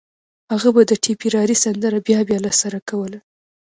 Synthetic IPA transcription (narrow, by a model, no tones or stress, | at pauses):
haɣabad̪əʈʰipiɾɑɾisand̪əɾabjɑbjɑlasaɾakawəla